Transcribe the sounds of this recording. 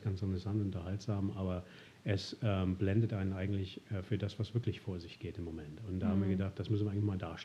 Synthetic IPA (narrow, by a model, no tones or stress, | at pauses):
ɡ̥ansantəsantʊntɐhaltz̥aːmʔaːbɐ | ʔɛsɛːmblɛndətʔaɪnənʔaɪɡŋ̩tlɪçʔɛːfyːɐdasv̥asv̥ɪɐklɪçfoːɐzɪçɡ̥eːtɪmːomɛntʊntd̥aːhaːm̩viːɐɡədaχt̚d̥asmʏsnviɐaŋnlnçmaːldaːɐʃt